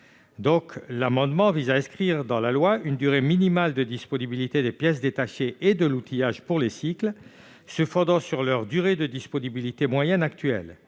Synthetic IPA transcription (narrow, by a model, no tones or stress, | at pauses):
d̪ɔ̃klamɑ̃d̪mɑ̃vizaɛ̃skχiʁd̪ɑ̃lalwaynd̪yʁeminimald̪əd̪ispɔnibilit̪ed̪epjɛs̬d̪et̪aʃeʔed̪əlut̪ʰijaʒpuʁlesikl | səfɔ̃d̪ɑ̃syʁlœʁd̪yʁed̪əd̪ispɔnibilit̪emwajɛnakt̪ɥɛ̰l